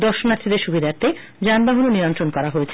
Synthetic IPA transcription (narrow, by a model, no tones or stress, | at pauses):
d̪ɔɾʃonat̪ʰːid̪eɾʃubʱid̪ʱaɾt̪e | d͡ʑanbaɦunoniɾont̪ɾonkɔɾaɦoet͡ɕʰe